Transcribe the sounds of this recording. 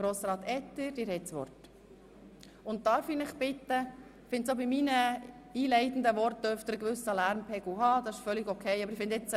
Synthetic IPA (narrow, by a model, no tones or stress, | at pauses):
ɾoːsɾɑːt̪ɛt̪əɾd̥ɪːɾhɛsʋɔ̰ɾt | ʊnt̚tɑːɾfinɪχbɪt̪ːə | fɪntsobiminə | iːlɛɪt̪n̩d̪əʋɔɾt̚d̥̪œɾft̪əɾəɡʋʏsəlæɾmpʰɛɡuhɑːdɑsɪʃfœliɡɔkʰɛɪɑbəɾɪfɪnd̪ɪt͡s